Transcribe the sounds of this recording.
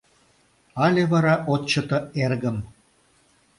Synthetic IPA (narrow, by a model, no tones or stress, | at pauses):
ɑlʲeβɑɾɑʔot̪ʲt͡ɕːə̆t̪ə̆erɣə̆m